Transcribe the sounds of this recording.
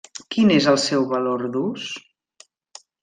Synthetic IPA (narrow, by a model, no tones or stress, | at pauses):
kinezəlˠsɛwβəloɾðus